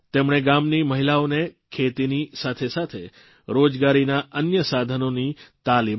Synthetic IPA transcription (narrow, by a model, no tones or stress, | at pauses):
t̪emɳ̃eɡamniməɦilaonekʰet̪inisat̪ʰesat̪ʰe | ɾod͡ʒɡaɾinaʔənjəsad̪ʱənonit̪alim